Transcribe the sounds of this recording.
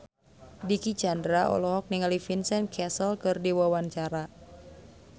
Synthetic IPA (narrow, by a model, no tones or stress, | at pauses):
dikit͡ʃandɾaʔɔ̰lɔɦɔk̚niŋalifinsɛnkʰɛsəlkɨrdiwawant͡ʃaɾa